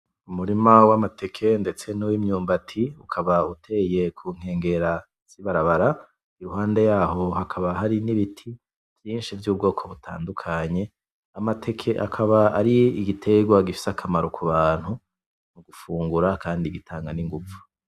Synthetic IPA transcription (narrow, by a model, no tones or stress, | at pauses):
umuɾimawamate̞kʰe̞nde̞t͡se̞nuwimɲuːmbatʰiukʰaβautʰe̞je̞kʰuːŋ̥e̞ːŋɡe̞ɾa | z̥iβaɾaβaɾa | iɾuɦaːnde̞jaːɦo̞hakʰaβaɦaɾiniβitʰi | vjiːnʃivjuːb̚ɡo̞ːkʰo̞βutʰa̰ːndukʰaɲe̞ | amatʰe̞kʰeʔa̰kʰaβaaɾiiɡitʰe̞ɡwaɡifi̥sakʰamaɾokʰuβaːn̥hu | muɡufuːŋɡuɾakʰaːndiɡitʰaːŋɡaniŋɡuvu̥